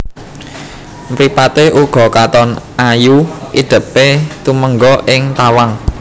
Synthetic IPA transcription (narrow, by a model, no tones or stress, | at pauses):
mpɾipat̪eʔuɡ̥ɔ̤kat̪ɔnʔajuʔid̪̥ə̤pet̪uməŋɡɔʔɪŋt̪awaŋ